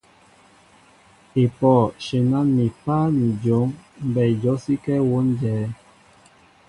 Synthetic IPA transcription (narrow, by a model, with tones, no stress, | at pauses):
e˨pɔː˦˨ʃe˨na˦ni˨pa˦ni˨d͡ʒo˨˦ŋm̩˦bɛ˨d͡ʒɔ˨˦si˦kɛ˦wo˦n˦d͡ʒɛː˨˦